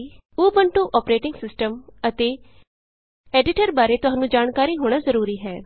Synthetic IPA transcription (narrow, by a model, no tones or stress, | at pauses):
uːbəɳʈũːʔɔːpɾeːʈɪŋɡsɪsʈəmət̪eː | ɛːɖɪʈəɾbaːɾeːt̪ʊɦãːnũːd͡ʒaːnkaːɾiːɦoːɽ̃aːzəɾuːɾiːɦɛː